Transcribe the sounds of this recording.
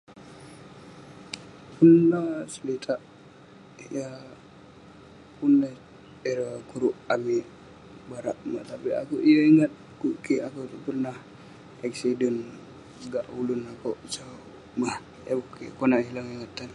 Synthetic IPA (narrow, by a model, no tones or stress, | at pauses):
punːasəlit̪ʰaʔ | ja | punːa | eɾakuɾuʔami | baɾa̰ʔma̰ht̪apia̰kuʔijəiŋat̪̚ | kuʔkiakupərnah | ɛksidɛn | ɡaʔulunakoʔt͡ʃa | mah | jabukikonaʔɦilaŋiŋat̪ːan